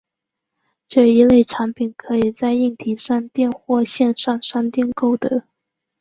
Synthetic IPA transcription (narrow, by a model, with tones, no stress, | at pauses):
ʈ͡ʂɤ˥˩i˧˥le˥˩ɪʈ͡ʂʰa˧˥ŋpʰi˨˩nkʰɤ˧˥i˨˩t͡sa˥˧ɪi˥˩ŋt̪ʰi˧˥ʂa˥˧ŋt̪jɛ˥˧nxwɔ˥˧ɕjɛ˥˧nʂɑ˥˧ŋʂa˥nt̪jɛ˥˧nko˥˩ʊd̪ə˦